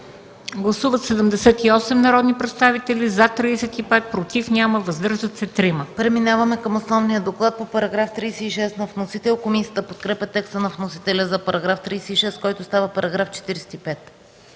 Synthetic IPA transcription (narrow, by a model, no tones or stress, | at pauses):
ɡlˠɐsuvət̪sɛd̪əmd̪ɛsɛt̪iɔsɛmnɐɾɔd̪nipɾɛt̪st̪avit̪ɛlʲizɐt̪ɾiːsɛt̪ipɛt̪̚pɾot̪ifnʲaməvəzd̪ɤɾʒd̪ət̪sɛt̪ɾiməpɾɛminavəmɛkəmosnɔvnijəd̪oklˠat̪̚popɐɾɐɡɾaft̪ɾijsɛiʃɛsnɐfnosit̪ɛlˠkomisiət̪əpot̪kɾɛpʲət̪ɛkst̪ənɐfnosit̪ɛlʲəzɐpɐɾɐɡɾaft̪ɾiːsɛiʃɛskɔjt̪ost̪avəpɐɾɐɡɾaft͡ʃɛ̥t̪iɾɛsɛ̥t̪ipɛt̪